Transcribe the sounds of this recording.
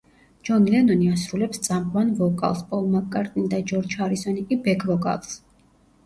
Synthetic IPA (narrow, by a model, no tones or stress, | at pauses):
d͡ʒɔnilɛnɔniasɾulɛpst̪sʼampʼvanvɔkʼa̰lˠspʼɔlˠmakʼːaɾt̪ʼind̪ad͡ʒɔɾt͡ʃʰaɾisɔnikʼibɛkʰvɔkʼa̰lˠs